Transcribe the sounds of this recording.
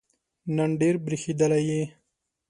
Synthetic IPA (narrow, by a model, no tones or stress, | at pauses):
naɳɖeɾbɾixed̪əlaji